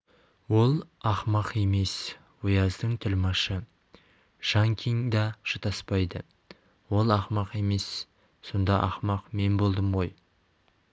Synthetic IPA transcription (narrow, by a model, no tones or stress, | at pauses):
wo̞lˠɑχmɑqe̞me̞s | wʊjɑzd̪əɴt̪ʰʏlmɑʃə | ʒ̥ɑŋkʲʰiŋd̪ɑʒ̥ət̪ʰɑspɑjd̪ə | wo̞lˠɑχmɑqe̞me̞sː | o̞nd̪ɑʔɑ̰χmɑqme̞nbo̞lˠd̪əmʁo̞j